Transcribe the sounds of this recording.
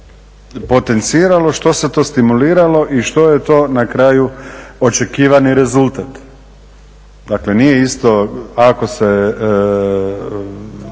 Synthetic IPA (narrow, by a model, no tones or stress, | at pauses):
po̞t̪e̞nt̪siːɾalo̞ʃt̪o̞se̞t̪o̞ːst̪imuliːɾalo̞ʔiʃt̪o̞je̞t̪o̞ːnakɾaːjuot͡ʃekiːʋaniɾe̞zulˠt̪at̪ | d̪akle̞nije̞ist̪o̞ako̞se